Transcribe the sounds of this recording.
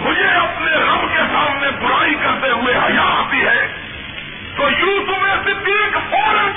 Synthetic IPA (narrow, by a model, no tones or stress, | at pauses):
mʊd͡ʒʱeɐpneɣɐmkesaːmnebʊɽaːikɐɾt̪eɦʊeɦɐjaːp̪iɦɛː | t̪oːjut̪ʊmẽset̪iekfoːɾ̃